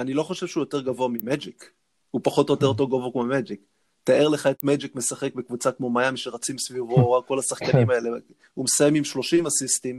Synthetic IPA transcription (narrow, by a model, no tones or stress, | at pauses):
anilo̞χo̞ʃe̞v̥ʃeujo̞t̪eʁɡavoamimed͡ʒik | hupaχo̞tojot̪e̞ʁt̪̬oɡovokmomed͡ʒik | t̪aeʁle̞χae̞t̪med͡ʒikme̞saχek̚bekvut͡sakmo̞majamiʃeʁat͡simsvivoʁakːo̞lasaχkanimae̞le | umesajemimʃlo̞ʃimasistim